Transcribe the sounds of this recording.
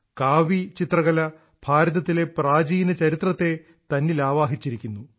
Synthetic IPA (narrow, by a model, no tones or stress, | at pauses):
kaːʋit͡ɕit̪rɐɣɐlɐ | bʱaːɾɐðɐt̪ːile̞praːd͡ʑiːnɐt͡ɕɐɾit̪rɐt̪ːe̞ | t̪ɐnːilaːʋaːɦit͡ɕːiɾikʲːunːu